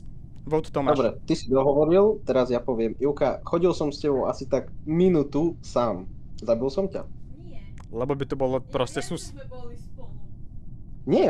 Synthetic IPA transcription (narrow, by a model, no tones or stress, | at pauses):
ʋɔʊt̪t̪ɔmadɔbɾɛt̪isid̪ɔɦɔʋɔɾilt̪ɛɾazjapɔʋɪɛmiʊkaxɔɟilsɔmscɛbɔʊasit̪aɡminuːt̪usaːmzabilsɔmca̰ | lɛbɔbit̪ɔbɔlɔpɾɔsɛsus | ɲɪɛ